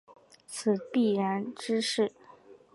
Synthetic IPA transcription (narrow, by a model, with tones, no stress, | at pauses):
t͡sʰɹ̩˨˩pi˥˩ɻa˧˥nʈ͡ʂɻ̩˥ʂɻ̩˥˩